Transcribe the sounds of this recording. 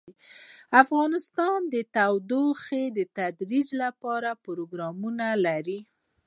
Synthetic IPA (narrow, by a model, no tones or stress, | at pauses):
afɣɑnɪst̪ɑnd̪ət̪awd̪oxed̪ət̪ad̪ɾid͡ʒlapɑɾapʊɾoɡɾɑmunalaɾi